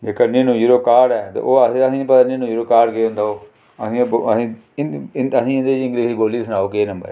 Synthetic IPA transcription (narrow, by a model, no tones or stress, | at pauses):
d͡ʒeːkəɾninũːjuːɾoːkaːɾɖɛːt̪ḛʔoːəsəsĩːpət̪aːninũːjuːɾoːkaːɾɖkeːɦʊ̃nd̪aːoː | əsĩːbəsĩː | əsĩːnd̪eːd͡ʒɪ̃ŋɡɾeːziːboːliːsənaːoːkeːnə̃mbəɾɛː